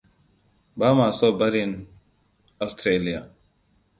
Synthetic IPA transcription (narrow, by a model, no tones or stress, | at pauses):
baːmaːsoːbɐɾin | ɔst̪ʰɾeːlija